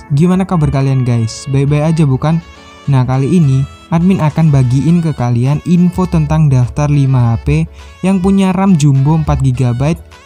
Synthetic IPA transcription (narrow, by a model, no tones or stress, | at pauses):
ɡimanakabərkalianɡajsbajbajad͡ʒabukan | nahkaliʔːni | ʔad̪̚mɪnakanbaɡiʔɪnkəkalianinfot̪ənt̪aŋdaft̪arlimaɦape | jaŋpuɲaramd͡ʒumboəmpat̪̚ɡiɡabajt̪̚